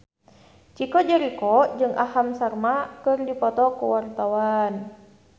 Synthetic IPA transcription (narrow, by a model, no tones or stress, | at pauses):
t͡ʃikɔd͡ʒəɾikɔd͡ʒɨŋʔahamsarmakɨrdipɔt̪ɔkuwart̪awan